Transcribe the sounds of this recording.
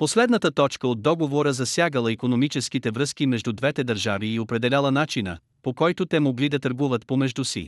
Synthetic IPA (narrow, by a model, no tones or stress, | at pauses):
poslɛd̪nət̪ət̪ɔt͡ʃkəod̪ːɔɡovoɾəzɐsʲjaɡəlˠəikonomit͡ʃɛskit̪ɛvɾɤskimɛʒd̪ud̪vɛt̪ɛd̪əɾʒaviːopɾɛd̪ɛlʲalˠənat͡ʃinə̰ | pokɔjt̪ot̪ɛmoɡlid̪ɐt̪əɾɡuvət̪pomɛʒd̪usḭ